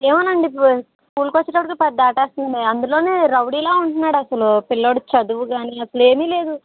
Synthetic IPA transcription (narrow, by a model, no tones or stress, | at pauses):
eːmɐnɐɳɖi | kuːlkot͡ʃːɐʈɐpːɐɽkipɛd̪ːaːʈeːst̪und̪iɐnd̪ulo̞ːne̞ːɾɐwɽiːlaːuɳʈunːaːɽɐsɐlupilːoɽut͡ʃɐd̪uʋuɡaːniːɐsɐlue̞ːmiːle̞ːd̪u